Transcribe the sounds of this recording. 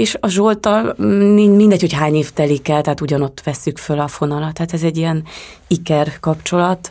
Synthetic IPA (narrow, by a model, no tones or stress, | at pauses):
eːʃɒʒolt̪ɒlminmind̪ɛcho̞chaːɲeːft̪ɛlikɛlt̪ɛɦaːt̪uɟɒno̞t̪ːʋɛsːykfølɒfo̞nɒlɒt̪haːt̪ɛzɛɟːijɛn | ikɛrkɒpt͡ʃo̞lɒt̪